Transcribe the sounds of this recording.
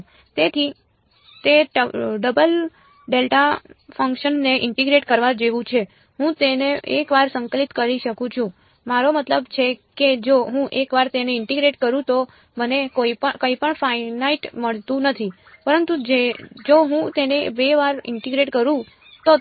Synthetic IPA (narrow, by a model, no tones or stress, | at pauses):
t̪et̪ʰi | t̪eɖəbəl | ɖelʈafʰəŋkʃənːeʔɪɳʈiɡɾeʈkəɾʋad͡ʒeʋũt͡ʃʰe | ɦũt̪eneḛkʋaɾsəŋkəlit̪kəɾiʃəkũt͡ʃʰũ | maɾomət̪ləbt͡ʃʰeked͡ʒoɦũʔekʋaɾt̪eneɪɳʈiɡɾeʈkəɾũt̪o | mənekoipəkəipəɳfʰainaiʈməɭt̪ũnət̪ʰi | pəɾənt̪ud͡ʒed͡ʒoɦũt̪enebeʋaɾɪ̰ɳʈiɡɾeʈkəɾũ | t̪o